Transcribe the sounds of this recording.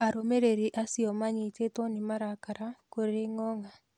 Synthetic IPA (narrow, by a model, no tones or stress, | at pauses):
aɾomeɾeɾiʔasiɔmaɲitetwɔnimaɾakaɾakoɾeŋɔŋa